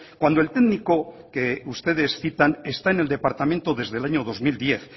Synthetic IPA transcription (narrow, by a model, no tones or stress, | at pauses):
kwand̪oelt̪eðniko̞keust̪e̞ðe̞sθit̪ane̞st̪aene̞ld̪e̞paɾt̪amẽ̞nt̪oðe̞zðe̞laɲo̞ð̞o̞zmild̪je̞θ